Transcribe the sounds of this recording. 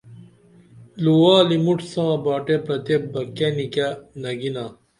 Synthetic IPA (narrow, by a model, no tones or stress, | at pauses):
luwaːlimuʈsãːbaːʈepɾɐt̪ebɐkːenikanɐɡinaː